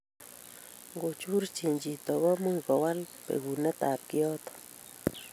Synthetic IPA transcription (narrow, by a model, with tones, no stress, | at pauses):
ŋɡo˨t͡ʃu˦ɾt͡ʃi˨nd͡ʒi˨t̪o˨βɔ˦mu˦jkɔ˨wa˦lpḛ˨ɡu˨ne˦t̪a˨p̚kjɔ˦t̪